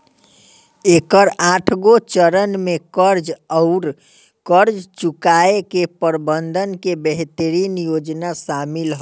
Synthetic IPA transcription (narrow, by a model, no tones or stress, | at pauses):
ekəɾaʈʰɡot͡ʃəɾənmekəɾd͡ʒəʊɾ | kəɾd͡ʒt͡ʃukaekepəɾbənd̪ʱənkebeɦt̪əɾinjod͡ʒnasamilɦɔ